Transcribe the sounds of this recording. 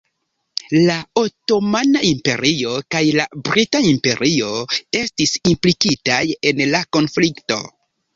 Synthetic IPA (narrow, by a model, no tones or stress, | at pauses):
lao̞to̞manaimpe̞̰ɾio̞kajlabɾitaimpe̞ɾʔio̞e̞stisimplikitaje̞nlako̞nflikto̞̰